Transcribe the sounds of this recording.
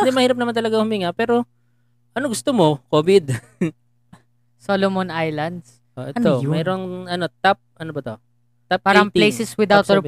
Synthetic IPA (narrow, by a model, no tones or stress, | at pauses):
d̪ɛmɐhiːɾɐp̚nɐmant̪ɐlɐɡahʊmiŋapɛːɾo | ʔɐnoɡʊst̪omokoːbɪd̪ | solomonʔajlɐnd̪s | ʔoʔɛt̪omɛːɾoŋɐnot̪ap̚ʔɐnobɐt̪o | t̪ap̚paːɾɐɐŋp̪lejsɛswɪd̪awt̪hɛ